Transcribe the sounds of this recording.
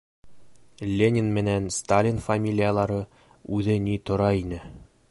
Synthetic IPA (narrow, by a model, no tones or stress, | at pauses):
lʲenʲinmɘ̆nænst̪alʲinfɐmʲilʲijalˠɑɾɤ | ʉðɘnit̪ŏɾɑinɘ